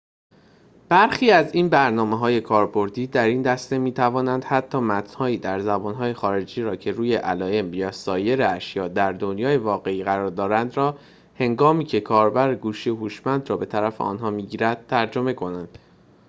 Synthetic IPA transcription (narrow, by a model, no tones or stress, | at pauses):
b̥æɾxiːæziːnbæɾnɒːmeɦɒːje̞kʰɒːɾbo̞ɾd̪iːd̪æɾiːnd̪æst̪e̞miːt̪ʰævɒːnænd̪̥hæt̪ʰːɒːmæt̪ʰnhɒːiːd̪æɾzæbɒːnɦɒːje̞xɒːɾe̞d͡ʒiːɾɒːcʰe̞ɾuːje̞ʔælɒːjemjɒːsɒːje̞ɾeæʃjɒːd̪æɾd̪o̞njɒːjevɒːɣe̞iːɣæɾɒːɾd̪ɒːɾænd̪ɾɒː | he̞ŋɡɒːmiːcʰe̞kʰɒːɾbæɾeɡuːʃiohuːʃmænd̪rɒːbe̞t̪ʰæɾæfe̞̰ʔɒ̰ːnɦɒːmiːɟiːɾæd̪̥̚t̪ʰæɾd͡ʒo̞me̞kʰo̞nænd̪̥